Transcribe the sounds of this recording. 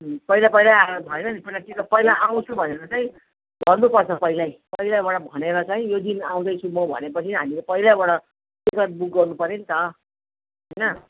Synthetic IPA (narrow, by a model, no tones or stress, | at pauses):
pʌilapʌjlabʱʌnenʌnipʌilat̪ikʌpʌilaʔaw̃t͡sʰũbʱʌneɾʌt͡saĩ | bʱʌnnupʌrt͡sʰʌpʌilajpʌilabaɽʌbʱʌneɾʌt͡saĩjod̪inaw̃d̪ʌjt͡sʰũmʌbʱʌ̰nepʌt͡sʰiɦamilepʌilabaɽʌ | sikʌt̪̚buk̚ɡʌrnupʌɾent̪ʌ | ɦɦʌjnʌ